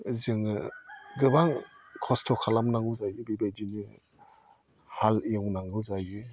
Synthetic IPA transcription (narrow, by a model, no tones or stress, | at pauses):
zɯŋɯɡɯbaŋ | kʰɔstʰɔkʰalamnaŋuzajɯbibedini | haliɯwnaŋɯzajɯ